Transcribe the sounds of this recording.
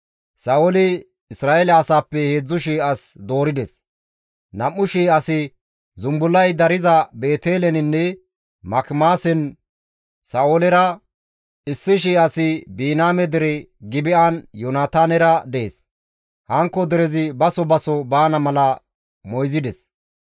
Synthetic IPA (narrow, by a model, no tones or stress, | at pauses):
sɐʔolɪ | ɪsɾaːʔɛlɐːsaːpːɛhe̞ːd͡zːʊʃ̬iːɐsd̪o̞ːɾɪd̪ɛs | nɐmːʊʃiːɐsɪ | zʊmbʊlːɐjd̪ɐɾɪzɐbe̞ːt̪eːlɛnɪnːɛ | mɐkmaːsɛn | sɐʔolɛɾɐ | ɪsːɪʃ̬iːʔɐsɪbiːnaːmɛd̪ɛɾɛ | ɡɪbɪʔanjɔnaːt̪aːnɛɾɐd̪ɛḛːs | hɐŋkːɔd̪ɛɾɛzɪbɐsɔbɐsɔbaːnɐmɐlɐ | mɔjzɪd̪ɛs